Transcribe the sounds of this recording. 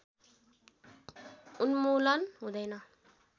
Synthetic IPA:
unmulʌnɦud̪ʌjna

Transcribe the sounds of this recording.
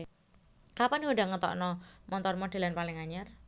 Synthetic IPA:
kapanhoda̤ŋət̪ɔ̰ʔnɔmʔɔnt̪ɔrmoɖ̥a̤lanpalɪŋaɲar

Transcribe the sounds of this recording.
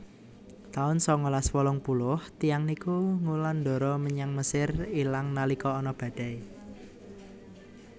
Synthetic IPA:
t̪aʊnsɔŋolaswɔlɔŋpulʊht̪ijaŋnikuŋuland̪ɔ̤ɾɔməɲaŋməsɪrilaŋnalikɔːnɔb̥a̤d̪̥a̤i

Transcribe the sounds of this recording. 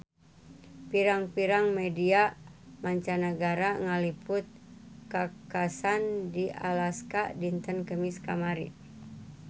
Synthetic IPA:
piɾaŋpiɾaŋmediamaɲt͡ʃanəɡaɾaŋalipʊt̪̚kakasandia̰laskadint̪ənkəmiska̰maɾḭ

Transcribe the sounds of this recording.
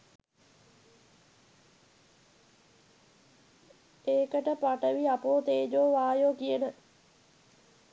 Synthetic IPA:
eːkəʈəpaʈəʋiapoːt̪eːd͡ʒoːʋaːjoːkijənə

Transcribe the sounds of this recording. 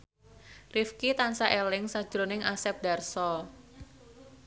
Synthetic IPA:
rifkit̪ansaʔelɪŋsḁʒ̥ɾonɪŋʔasɛp̚d̥a̤rsɔ

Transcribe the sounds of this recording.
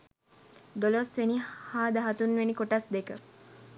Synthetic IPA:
d̪olosʋenihaːd̪ɐɦat̪unʋenikoʈasd̪ekə

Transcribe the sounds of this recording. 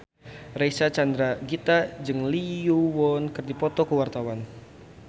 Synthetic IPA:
rejsat͡ʃand̪ɾaɡit̪ad͡ʒɨŋliuwɔnkɨrdipɔt̪ɔkəwart̪awan

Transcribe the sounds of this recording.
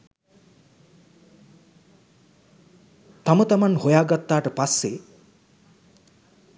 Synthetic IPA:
t̪ɔmɔt̪ɔmanhojaɡʌt̪ːaʈɔpase

